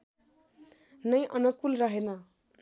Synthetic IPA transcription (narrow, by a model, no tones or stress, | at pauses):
nʌjʔʌnʌkulrʌɦenʌ